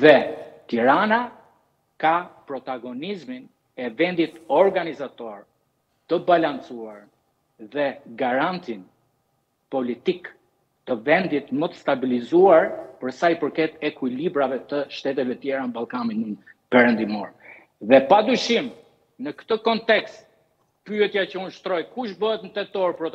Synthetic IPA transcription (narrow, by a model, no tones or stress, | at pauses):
ðɛt̪iɾana | kapɾɔt̪aɡɔnizmin | ɛvɛnd̪it̪ɔɾɡanizat̪ɔɾ | t̪əbalant͡suaɾ | ðɛɡaɾant̪in | pɔlit̪ik | t̪ːəvɛnd̪it̪mət̪ə̥st̪abilizuaɾpəɾsajpəɾkɛt̪ɛkwilibɾavɛt̪əʃt̪ɛt̪ɛvɛt̪jɛɾanəbalˠkaninun | pɛɾɛnd̪imɔɾ | ðɛpad̪yʃim | nəkt̪əkɔnt̪ɛkst̪̚ | pyɛt̪jat͡ɕəunʃt̪ɾɔjkuʃ̬bəɦɛt̪nət̪ɛt̪ɔɾpɾɔt̪